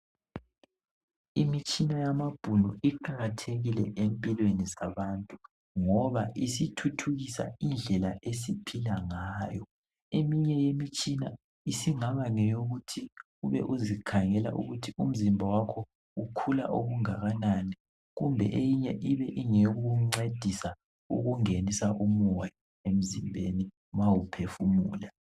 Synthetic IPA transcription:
imit͡ʃʼinajamab̥ʱulɔ̰ʔiǃaɣatʰeɣilɛ̰ʔempʼilwenisaβantʼu | ŋɔβaʔisitʰutʰuɣisa̰ind͡ɮʱɛlaʔes̬ipʰilaŋaːjɔ | emiɲɛjemit͡ʃʼina | isiŋaβaŋɛjoɣutʰi | uβɛ̰ʔuzikʰaŋɛla̰ʔṵɣutʰium̩zimbʱawakʰɔ | ukʰula̰ʔoɣuŋaɣanani | ɣumbʱɛ̰ʔejiɲɛʔiβɛʔiŋeuuŋ͡ǀed̥ʱisa | ṵɣuŋenisaʔumɔja | em̩zimbʱeni | mawupʰefumuːla

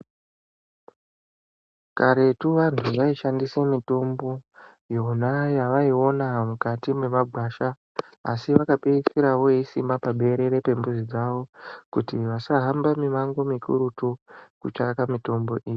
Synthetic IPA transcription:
kaɾe̞tuʋantʰuʐaiʃandisemito̞mbo̞ | jonajaʋaio̞namukatime̞maɡʱwaːʃa̰ː | siʋakaɓeisiɾaʋo̞eisimbapaɓe̞ɾe̞ɾe̞pe̞mbuzid͡zaʋo̞kutiʋasaɦambamimaŋɡo̞mikʰṵɾutukut͡ʃakamito̞mbo̞ʔiːji

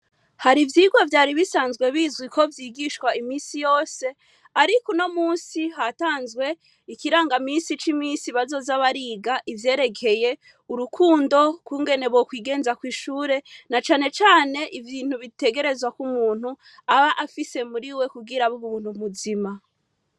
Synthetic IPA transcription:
haɾivjiːɡwavjaːɾiβisaːnzɡwe̞βiːzɡwikʰo̞vjiːɡiʃkwaimiːnsijo̞ːse̞ | aɾikono̞muːsiɦataːnzɡwe̞ | ikiɾaːŋɡamiːnsit͡ʃimiːnsiβazo̞ːzaβaɾiːɡaʔivje̞ːɾe̞kʰe̞je̞ | uɾukʰuːndo̞kwuːŋɡe̞ne̞βokwiːɡe̞ːnzakwiːʃuːɾe̞nat͡ʃaːne̞t͡ʃaːne̞ʔivjiːn̥huβite̞ɡe̞ɾe̞zwakumuːn̥u | aβaʔafise̞muɾiwe̞kuɡiɾaβuβuβuːn̥umuzima

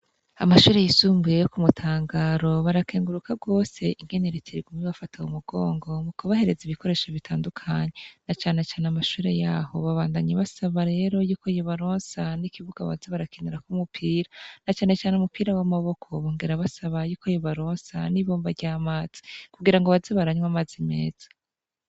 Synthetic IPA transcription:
amaʃuːɾe̞jisuːmbujejokumutʰaːŋɡaːɾo̞βaɾakeːŋɡuɾukʰaɡwo̞ːse̞ʔiŋɡe̞neɾeteɾiɡumiβafataumuɡo̞ːŋɡo̞mukoβahe̞ɾe̞ziβikʰo̞ɾe̞ːʃoβitʰaːndukʰaɲe̞nat͡ʃaːne̞t͡ʃaːneamaʃuːɾe̞jaːho̞̰βaβaːndaɲeβasaβaɾe̞ːɾo̞juːkoijoβaɾoːnsanikiβuɡ̥aβa̰zeβaɾakʰineɾakumupʰiːɾanat͡ʃaːne̞t͡ʃaːneumupiːɾawamaβo̞kʰo̞βoːŋɡe̞ɾaβasaβajuːkʰo̞joβaɾoːnsaniβo̞ːmbaɾɟaːmaːz̥i̥kuɡiɾaŋɡoβazeβaɾaɲwamazime̞̰ːz̥ḁ

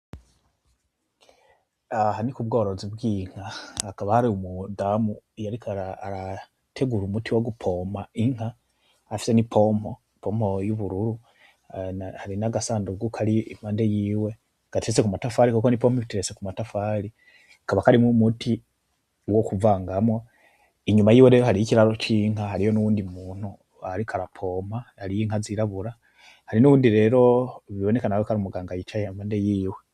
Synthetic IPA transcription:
ahanikubɡoɾo̞zibɡiːŋ̥haːkaβahaɾiumudamujaɾikaɾaɾa | tʰeɡuɾumutiwoɡupʰo̞maiŋhaː | fi̥senipʰomo̞ | pomo̞juβuɾuɾu | haɾinaɡasaːnduɡukʰaɾimaːndejiːwe̞ | ɡ̥atiɾesekumatafaɾikukonipomoβitiɾesekumatafaɾi | kaβakaɾimumutʰi | wokuvaːŋɡamo | iɲumajiːweɾejohaɾiiciɾaɾo̞ciːŋaɦaɾijo̞nuwuːndimuːn̥u | haɾikʰaɾapʰo̞mahaɾijiŋaziɾaβuɾa | haɾinuβuːndiɾe̞ːɾo̞βiβo̞ne̞kanawekaɾumuɡaːŋɡajit͡ʃajamaːndejiːwe

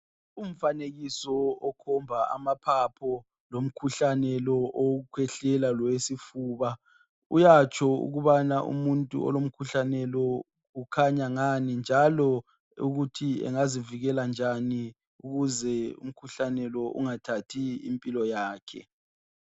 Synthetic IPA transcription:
um̩faneɣisɔɔkʰɔmbʱaa̰mapʰapʰɔ | lom̩kʰuɬanɛlɔʔɔkʰwɛɬɛlalɔwesifuːβa | ṵjat͡ʃʰʼɔṵɣuβanaʔṵmuntʼṵɔ̰lom̩kʰuɬanɛlɔ | ukʰaɲaŋanind͡ʒʱalɔ | ṵɣutʰiɛ̰ŋaziviɣɛland͡ʒʱani | uɣuzɛṵm̩kʰuɬanɛlɔʔṵŋatʰatʰiḭmpʼilɔjaːkʰɛ̰

